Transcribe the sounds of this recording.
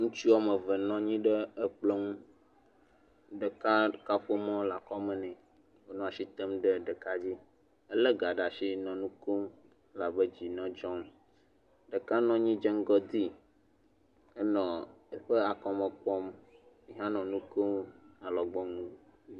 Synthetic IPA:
ŋũ˦t͡ʃi˦a˨mə˨və˨nɔ̃˦ɲĩ˦ɖə˦ə˦k͡ple˦ŋũ˦ | ɖə˨ka˦ka˦ɸo˦mɔ̃˦la˨kɔ˦mɛ̃˨nɛ̃˨ | wo˨nɔ̃˦a˨ʃi˦t̪ə˦mɖə˦ɖə˨ka˦d͡ʑi˦ | ə˦lə˦ɡa˨ɖa˨ʃi˦nɔ̃˨nũ˦ko˦m˦ | la˨bə˦d͡ʑi˨nɔ̃˦d͡ʒɔ̃˦m | ɖə˨ka˦nɔ̃˦ɲĩ˦d͡ʒɛ̃˦ŋ˦ɡɔ˦d̪i˦ | ə˦nɔ̃˨ə˦ɸe˦a˨kɔ˦mẽ˨k͡pɔ˦m | i˨ɦã˦nɔ̃˨nũ˦ko˦a˨lɔ˨ɡ͡bɔ˦ŋũ˦

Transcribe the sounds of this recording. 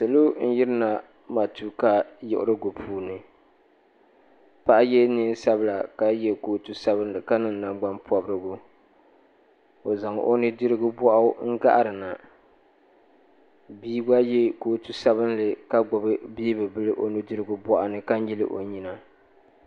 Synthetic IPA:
sɨ˨lo˦n̩˦jɪ˦ɾɨ˦na˨ | ma˨tu˦ka˦jɪ̰˨ʔʊ̰˦ɾɨ˦ɡo˨pʰuː˨˦nɨ˨ | pa˦ʔa˦jɛ˦ni˦n˦sa˦bɨ˦la˨ka˦jɛ˦koː˨tu˦sa˦bɨ˦n˦lɨ˨ka˦nɨ˨nna˨mɡ͡ba˦mpɔ˨bɾɨ˦ɡu˦ | o˨za˨ŋ̰˨ʔo̰˦nɨ˦dɨ˦ɾɨ˦ɡʊ˦bɔ˦ʔa˦ŋ̩˦ɡa̰˦ʔa˦ɾɨ˨na˨ | biː˦ɡ͡ba˦jɛ˦koː˨tu˦sa˦βɨ˦n˦lɨ˨ka˦ɡ͡bɔ˨bɨ˦bi˦i˦bɨ˨bɨ˦lɨ˦ʔo˦nɨ˦dɨ˦ɾɨ˦ɡʊ˦bɔ˦ʔa˦nɨ˦ka˦n˦ji˦lɨ̰˦ʔo̰˨ɲi˦na˨

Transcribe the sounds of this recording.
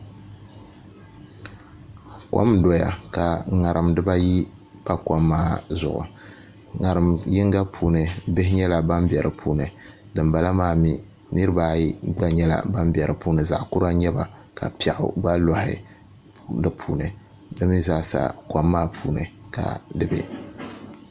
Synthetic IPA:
kʷa̰˦mdɔ˨ja̰˨ka˨ŋa˨ɾʔɨ˨mdɨ˦ba˦ji˦ | pa˦ka˦mːaː˦zʊ̰˨ʔʊ̰˨ | ŋa˨ɾɨ˨mjɪ˦ŋɡa˦pʰuː˨nɨ˨bɪ˦hɪ˦ɲɛ˦la˨ba˦mbɛ˨ɾʔɨ˨pʰuː˦nɨ˨ | dɨ˨mba˨la˦maː˦mi˦ | nɨ˦ɾɨ˦baː˨˦ji˦ɡ͡ba˦ɲɛ˦la̰˨ba˦mbɛ˨ɾɨ˨puː˦nɨ˨za̰˨ʔku˦ɾa˦ɲɛ˦ba˨ | ka̰˨pi˦ɛ˨ʔʊ̰˨ɡ͡ba˦lɔ˨hɪ̰˨ | dɨ˨pʰuː˦nɨ˨ | dɨ˦mi˦zaː˦˨sa̰˨kʷa˦mːaː˦pʰuː˦nɨ̰˨ka̰˨dɨ˦bɛ̰˦

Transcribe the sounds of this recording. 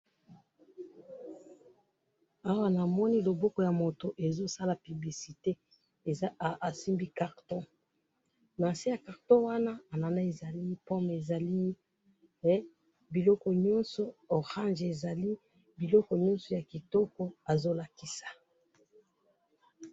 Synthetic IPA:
a˦wa˦na˨mɔ˦ni˦lo˨bɔ˦kɔ˨ja˨mo˨to˨ʔe˨zo˦sa˦la˨py˨bli˨si˨te˦˨˦ | a˨si˦mbi˦ka˨ʁtɔ̃˦ | na˨si˦ja˨ka˨ʁtɔ̃˦wa˦na˦a˨na˨na˦e˨za˨li˦pɔ˦me˨za˨li˦ | bi˨lɔ˦kɔ˨ɲɔ˦nsɔ˨ɔ˨ʁã˦nʒe˨za˨li˦ | bi˨lɔ˦kɔ˨ɲɔ̃˦nsɔ˨ja˨ki˨tɔ˦kɔ˦a˨zo˦la˨ki˦sḁ˨

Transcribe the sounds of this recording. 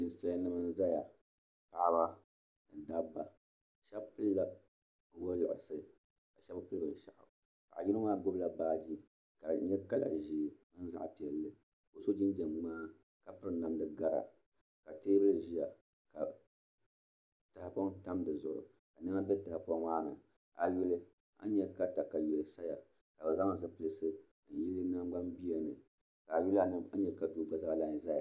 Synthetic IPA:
nɨ˨n˨sa˦a˦nɨ˦mɨ˦n˦za˦ja˨ | pa˨ʔba˦ | nɨ˨da˦bːa˨ | ʃɛ˦bpɨ˦lla˦˨ | wo˦lɨ˨ʔɪ̰˨sɨ˦ | ka˨ʃɛ˦bpɨ˦bɨ˨ʃa̰˨ʔ | ka˨a̰˨ji˦nɨ˦maː˦ɡo˦bla˨baː˦d͡ʒi˦ | ka˨ɲɛ˦ka˦la̰˨ʒi˨˦˨ | ɨ˦n̩˦za̰˦ʔpi˨ɛ˨lːɨ˦ | ko˨so˦d͡ʒi˦n˦d͡ʒɛ˨mŋ͡maː˦ | ka˨pɨ˦ɾɨ˦na˨mdɨ˨ɡa˦ɾa̰˨ | ka˨teː˦bɨ˦lɨ˨ʒi˦ja˨ | ka˨ | ta˨ha˨pɔ˦ŋta˦mdɨ˨zʊ̰˨ʔʊ̰˨ | ka˨nɨ˦ŋa˦bɛ˦ta˨ha˨pɔ˦ŋwaː˦nɨ̰˨ | a˨ju˦lɨ˦ | a̰˦ɲɛ˦ka˦ta˨ka˨jo˨lɨ˨sa˦ja˨ | ka˨bɨ˨za˦ŋ˨zɨ˨plɨ˦sɨ˦ | n̩˨ji˦lːɨ˦na˦ɡ͡ba˦mbi˦a˨nɨ̰˨ | ka˨ju˦la˦nɨ˦a˦ɲɛ˦ka˨du˨ɡ͡ba˦za˦ba˦˨la˨n˨za˦ja˨

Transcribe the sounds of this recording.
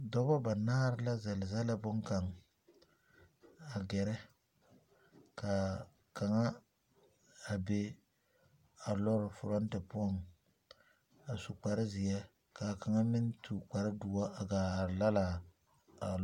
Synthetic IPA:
dɔ˦bɔ˦ba˨naː˦ɾɪ˦la˦zɛ˨lɪ˨za˦la˦bʊ˦ŋ˦ka˨ŋ | a˨ɡɛ˨ɾɛ˦ | ka˨ | ka˨ŋa˦ | a˨be˦ | a˨lɔ˦ɾɪ˨fʊ˨ɾɔ˦n˦tɛ˨pʊ˦ɔ˦˨ŋ | a˨su˨k͡pa˨ɾɪ˦zɪ˨jɛ˦ | ka˨ka˨ŋa˦mɪ˦n˦tʰu˨k͡pa˨ɾɪ˦du˨a˦a˨ɡaː˨ɾɪ˨la˦laː˨ | a˨

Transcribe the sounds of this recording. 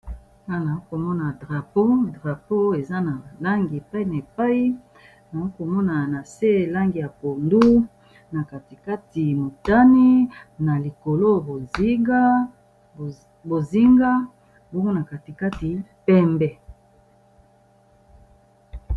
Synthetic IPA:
na˦na˨o˦ko˨mɔ˦na˨dʁa˨po˦dʁa˨po˦e˨za˦na˨la˦ŋɡi˨e˨pa˦i˦na˨e˨pa˦i˦ | na˨o˦ko˨mɔ˦na˨na˨se˦˨la˦ŋɡi˨ja˨po˨ndu˦ | na˨ka˨ti˨ka˦ti˨mo˨ta˦ni˦na˨li˨ko˨lo˦bo˨zi˦ɡa˦ | bo˨zi˦ŋɡa˦ | bo˦ŋɡo˦na˨ka˨ti˨ka˦ti˨pɛ˦mbɛ˦

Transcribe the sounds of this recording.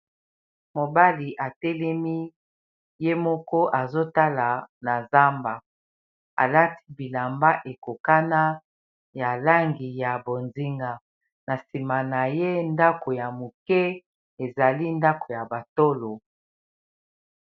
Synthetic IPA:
mo˨ba˦li˨ʔa˨tɛ˦lɛ˦mi˦ | je˦mɔ˦kɔ˦ʔa˨zo˦ta˦la˨na˨za˦mba˨ | a̰˨la˦tʰi̥˦bi˨la˨mba˦ʔe˨ko˨ka˦na˦ | ja˨la˦ŋɡi˨ja˨bo˨nzi˦ŋɡa˨ | na˨si˨ma˨na˨je˦nda˦ko˨ja˨mo˨kɛ˦ | e˨za˨li˦nda˦ko˨ja˨ba˨to˦lo˨

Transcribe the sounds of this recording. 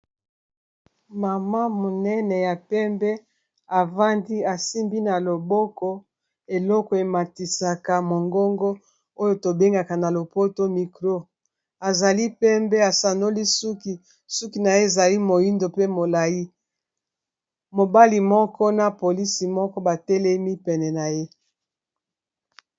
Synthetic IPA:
ma˨ma˦mo˨nɛ˦nɛ˨ja˨pɛ˦mbɛ˦ | a˨va˦ndi˦a˨si˦mbi˦na˨lo˨bɔ˦kɔ˦ | e˨lɔ˦kɔ˨e˨ma˨ti˨sa˨ka˨mo˨ŋɡo˦ŋɡo˦ | o˦jo˨to˨be˦ŋɡa˨ka˨na˨lo˨po˦to˦mi˨kʁo˦ | a˨za˨li˦pɛ˦mbe˦a˨sa˨no˦li˦su˦ki˨ | su˦ki˨na˨je˦e˨za˨li˦mo˨ji˦ndo˨pe˦mo˨la˨ji˦ | mo˨ba˦li˨mɔ˦kɔ˦na˨po˨li˦si˨mɔ˦kɔ˦ba˨tɛ˦lɛ˦mi˦pɛ˨nɛ˨na˨je˦

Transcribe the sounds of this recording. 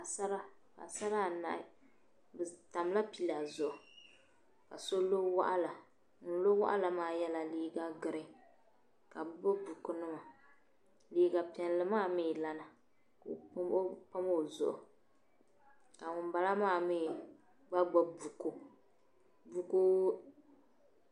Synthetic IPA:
ka˨sa˦ɾa˦ | ka̰˨sa˦ɾa˦˨na̰˨ʔ | bta˨m˦la˦pi˦la˨zʊ˨ʔʊ˨ | ka˨so˦lo˦wa̰˦ʔa˦la˨ | ŋʊ˨n˦lo˦wa̰˦ʔa˦la˨maː˦jɛ˦la˦liː˦ɡa˦ɡɨ˨ɾɪ˦ | ka˨bbo˦bu˨ku˦nɨ˦ma˨ | liː˦ɡa˨pɛ˨n˦lɨ˦maː˦˨miː˦˨la˦na˨ | kpa˦mo˦˨zʊ˨ʔʊ˨ | ka˨ŋʊ˨n˨ba˨la˦maː˦˨mi˦˨ | ɡ͡ba˦ɡ͡bo˦bu˨ko˦ | bu˨ko˦

